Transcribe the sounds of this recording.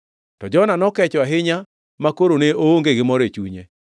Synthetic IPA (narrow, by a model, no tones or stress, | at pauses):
tɔd͡ʒɔnanɔkɛt͡ʃɔaɦɪɲa | makoɾoneooŋɡeɡɪmɔɾet͡ʃuɲe